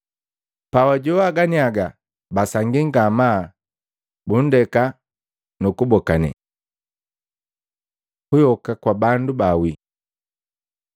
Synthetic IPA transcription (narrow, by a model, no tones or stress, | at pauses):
pawaɟuwaɡaniaɡa | basaŋɡiŋɡama | bun̩dɛka | nukubɔkanɛ̰ | hujɔkakwabandubawi